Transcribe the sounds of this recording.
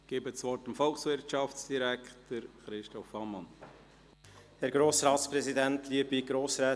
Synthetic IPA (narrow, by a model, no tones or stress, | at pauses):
ɡ̥eːbəsvɔɾtəmfɔlˠksʋɪɾtt͡ʃɑft͡sd̥iɾæktəɾχɾɪʃtɔfɑmɑn | hɛɾɡɾoːsɾɑːtspɾɛzidɛntʰliːəbiɡɾoːsɾɛː